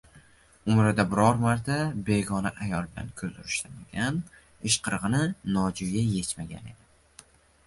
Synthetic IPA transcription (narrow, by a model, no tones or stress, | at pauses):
ʊmɾad̪abɪɾɒɾmaɾt̪ʰabe̞ɡɒnaʔajɒlˠbɪla̰nkʲʰɵzd̪ʊɾɪʃt̪amaɡʲan | ɪʃqʰɨɾʁɨnɪnɒd͡ʒʊɡʲaje̞t͡ʃmaɡʲa̰ne̞̰d̪ɪ